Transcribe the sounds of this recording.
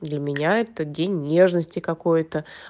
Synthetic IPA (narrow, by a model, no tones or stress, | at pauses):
d̪lʲəmʲɪnʲaɛt̪ədʲenʲnʲe̞ʐnəsʲtʲɪkɐkojt̪ə